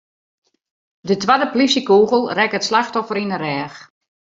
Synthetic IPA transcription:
dətwadəplisəkuːɣəlˠrɛkətslaxtɔfəɾinərɛːx

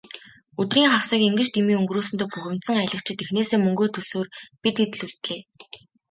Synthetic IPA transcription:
ɵt̪riːŋχawsə̆ːkeŋɡɘ̆t͡ɕt̪imiːɵŋɡruːsɵ̆nt̪oːpuxʲɪ̆m̥t̪sə̆ŋajɮə̆k̚t͡ɕʰɪ̆t̪exneːseːmɵŋɡoːt̪ʰɵsoːrpit̪it̪ɮuɮt̪ɮeː

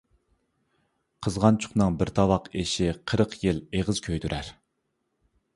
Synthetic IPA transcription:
qʰəzʁɑnt͡ʃʰʊ̥χnɨŋbɪɾt̪ʰɑwɑqeʃɪqʰəɾəqʰjɪleʁəz̥kʲʰøjd̪yɾʔæɾ

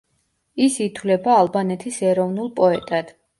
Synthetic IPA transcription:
isit̪ʰwlɛbaːlˠbanɛt̪ʰisɛɾɔvnulˠpʼɔɛt̪ʼad̪̥

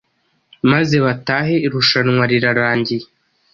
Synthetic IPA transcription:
maze̞βataːɦe̞iɾuʃanŋwaɾiɾaɾaːɲɟi

